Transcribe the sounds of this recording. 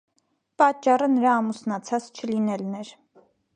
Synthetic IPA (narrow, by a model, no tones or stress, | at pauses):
pɑt͡ʃːɑrənəɾɑːmusnɑt͡sʰɑt͡st͡ʃʰəlinɛlnɛɾ